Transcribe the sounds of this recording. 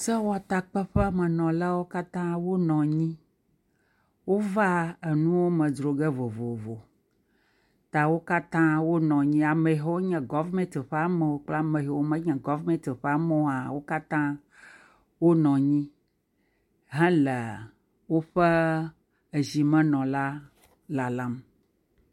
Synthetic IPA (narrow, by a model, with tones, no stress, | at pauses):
sɛ˦wa˨t̪a˨k͡pɛ˦ɸɛ˦mɛ̃˨nɔ̃˨la˦wo˦ka˦t̪ã˦wo˦nɔ̃˨ɲĩ˦ | wo˦va˦e˨nũ˦wo˦mɛ̃˨dɾo˨ɡɛ˦vo˨vo˨vo˨ | t̪a˨wo˦ka˦t̪ã˦wo˦nɔ̃˨ɲĩ˦a˨mɛ̃˨ɦɛ˦wo˦ɲɛ̃˨ɡɔ˦vmɛ̃˦t̪ɸa˦mɛ̃˨wo˦k͡pla˦mɛ̃˨ɦe˨wo˦mɛ̃˦ɲɛ̃˨ɡɔ˦vmɛ̃˦t̪ɸa˦mɔ̃˦˨a˨wo˦ka˦t̪ã˦ | wo˦nɔ̃˨ɲĩ˦ | ɦɛ̃˦lɛ˨ | wo˦ɸɛ˦ | e˨zi˨mɛ̃˦nɔ̃˨la˦ | la˨lã˦m